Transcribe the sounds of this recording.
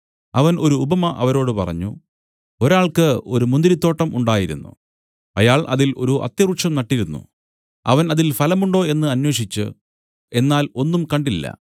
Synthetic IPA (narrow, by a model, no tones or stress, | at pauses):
ɐʋɐnʔo̞ɾuːbɐmɐʔɐ̰ʋɐɾo̞ːɽɨpɐ̰rɐ̰ɲːu | o̞ɾaːɭkɨo̞ɾumund̪ɾit̪ːo̞ːʈːɐmʔuɳɖaːjiɾunːṵ | ɐjaːɭʔɐ̰ðilo̞̰ɾuʔɐ̰t̪ːjɐrukʂɐmnɐʈːiɾunːṵ | ɐ̰ʋɐnɐðilfɐlɐmuɳɖo̞ːe̞nːɨɐnweːɕit͡ɕːɨ̰ | e̞nːaːlo̞nːumkɐɳɖilːɐ̰